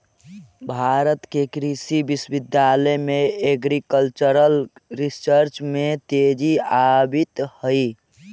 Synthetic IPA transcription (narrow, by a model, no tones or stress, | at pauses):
bʱaɾət̪kekɾisibisbid̪jaləjmeeɡɾikəlt͡ʃəɾəlɾisəɾt͡ʃmet̪ed͡ʒiabit̪həj